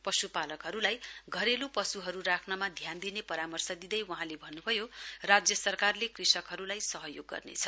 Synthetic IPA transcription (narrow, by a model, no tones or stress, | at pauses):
pʌsupalʌkɦʌɾulajɡʱʌɾelupʌsuɦʌɾuɾakʰnʌmad̪ʱjand̪inepʌɾamʌrsʌd̪id̪ʌjwʌɦãlebʱʌnːubʱʌjorad͡zjʌsʌrkarlekrisʌkɦʌɾulajsʌɦʌjoɡːʌ̰rnḛt͡sʰʌ